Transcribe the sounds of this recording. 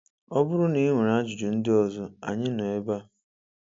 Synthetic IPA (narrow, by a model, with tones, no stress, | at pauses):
ɔ˦bʊ˦ɾʊ˦ni˦ŋʷe˨ɾa˦d͡ʒʊ˨d͡ʒʊ˨n̩˦dɪ˦ɔ˨zʊ˦a̰˨ɲɪ˦nɔ˨e˦ba˦